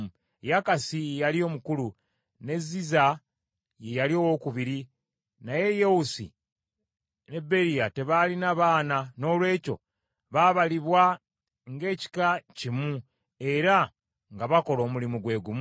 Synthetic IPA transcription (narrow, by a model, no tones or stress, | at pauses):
jakasijejalio̞ːmukulu | ne̞zːiza | je̞jalio̞ːwo̞kuβiɾi | naje̞jewusḭ | ne̞be̞ɾijate̞βalinaβaːnano̞ːlwe̞ːco̞̰ | βaβaliβwa | ŋɡe̞ːci̥kacimu | e̞ɾa | ŋɡaβako̞lo̞ːmulimuɡwe̞ːɡumu